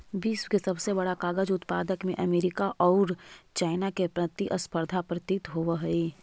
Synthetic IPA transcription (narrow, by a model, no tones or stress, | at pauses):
biːswkesɐbsebɐɽakaːɡəd͡ʒʊt̪paːd̪əkmẽʔɐmeːɾɪkaʔɔːɾt͡ʃaːɪnakepɾɐt̪iʔɐspəɾd̪ʱapɾət̪it̪ɦoʋəɦɐi